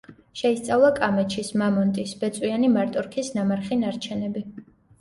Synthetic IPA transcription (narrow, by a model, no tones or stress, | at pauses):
ʃɛist̪sʼavlˠakʼamɛt͡ʃʰismamɔnt̪ʼisb̥ɛt̪sʼwianimaɾt̪ʼɔɾkʰisnamaɾχinaɾt͡ʃʰɛnɛbi